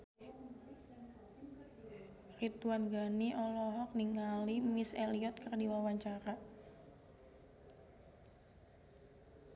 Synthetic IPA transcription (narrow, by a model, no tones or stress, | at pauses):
rit̪uanɡaniʔɔlɔɦɔk̚niŋalimisɛliɔt̪̚kɨrdiwawaɲt͡ʃaɾa